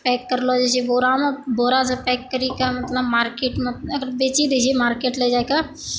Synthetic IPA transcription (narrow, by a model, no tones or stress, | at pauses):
pɛːkːəɾlod͡ʒet͡ʃiboːɾamẽboːɾas̬apɛːkːəɾikamət̪ləbmaːɾkeːʈməɐɡəɾbeːt͡ʃid̪it͡ʃʰimaːɾkeːʈled͡ʒajka